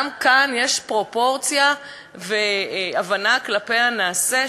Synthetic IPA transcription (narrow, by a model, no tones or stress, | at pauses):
mkanjeʃpʁo̞po̞ʁt͡sja | veavanaklapejhanaːse